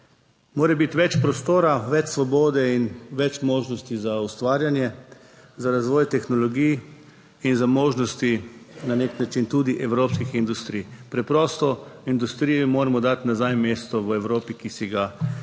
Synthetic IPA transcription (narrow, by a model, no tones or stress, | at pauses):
moːɾɛbit̪ʋɛt͡ʃpɾɔst̪oːɾaʋɛt͡ʃsʋɔboːd̪ɛinʋɛt͡ʃmoːʒnɔst̪izaust̪ʋaːɾjanjɛ | zaɾazʋɔːjt̪ɛxnɔlɔɡijː | nzamoːʒnɔst̪inaneknat͡ʃint̪uːd̪iʔɛwɾoːpskixind̪ust̪ɾijpɾɛpɾɔːst̪ɔind̪ust̪ɾijɔmoːɾɛmɔd̪at̪nazajmeːst̪ɔʋəɛwɾoːpikisiɡa